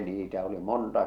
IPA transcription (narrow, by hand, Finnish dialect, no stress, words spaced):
niːtæ oli montɑ